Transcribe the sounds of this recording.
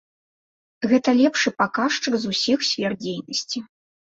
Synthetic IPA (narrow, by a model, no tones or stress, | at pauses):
ɣɛt̪ɐlʲɛpʂɨpakaʂt͡ʂɨkzusʲixsʲfʲɛrd͡zʲejnɐsʲt͡sʲi